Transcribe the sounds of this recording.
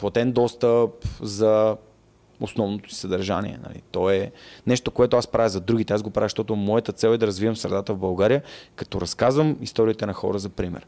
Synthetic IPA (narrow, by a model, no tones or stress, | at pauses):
plˠɐt̪ɛnd̪ɔst̪əpzɐ | osnɔvnot̪o̥si̥sɐd̪ɐɾʒa̰nḭɛ̰nɐ̰lḭt̪ɔɛnɛʃt̪okoɛt̪oaspɾavʲjizɐd̪ɾuɡ̟it̪ɛazɡopɾavixʃt̪ɔt̪ʊmɔjət̪ət̪sɛlˠɛd̪ɐɾɐzvivəmsɾɛ̰d̪at̪əvbɐlˠɡaɾijəkɐ̥t̪ɔɾɐskazvəmist̪ɔɾiːt̪ɛnɐxɔ̰ɾəzɐpɾimɛ̰ɾ